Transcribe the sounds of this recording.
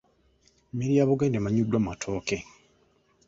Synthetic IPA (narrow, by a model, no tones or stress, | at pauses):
miɾiaːβuɡaːndemaɲudːwamatʰoːke